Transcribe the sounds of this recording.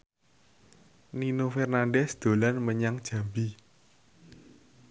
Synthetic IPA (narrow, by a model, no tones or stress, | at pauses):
ninofɛrnanɖɛsd̪̥o̤lanməɲaŋd̥ʒ̥a̤mbi